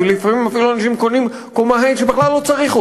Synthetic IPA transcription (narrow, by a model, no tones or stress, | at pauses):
lifmimafiluanaʃimkonim | komaɦajnʃebeχlalːo̞t͡saʁiχu